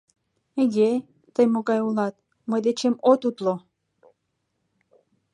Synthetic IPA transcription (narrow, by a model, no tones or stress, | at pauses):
eɣe | t̪əjmoɣɑjulɑt̪̚ | məjd̪et͡ɕemot̪ut̪lo